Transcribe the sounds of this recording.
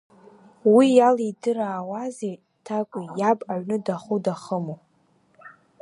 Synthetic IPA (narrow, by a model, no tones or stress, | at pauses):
wijalidɨraːwazej | tʰakʷʼijabʼaɥnɨdaχudaχəmo